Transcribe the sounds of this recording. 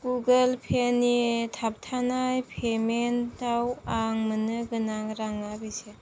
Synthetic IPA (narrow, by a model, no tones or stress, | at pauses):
ɡuɡəlpʰenitʰap̚tʰanajpʰementawaŋmɯnɯɡɯnaŋɾaŋːabese